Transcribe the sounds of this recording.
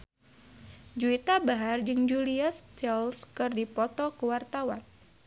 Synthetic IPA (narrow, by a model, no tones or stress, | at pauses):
d͡ʒuit̪abaɦard͡ʒɨŋd͡ʒuliast͡ʃɛlskɨrdipɔt̪ɔkəwart̪awan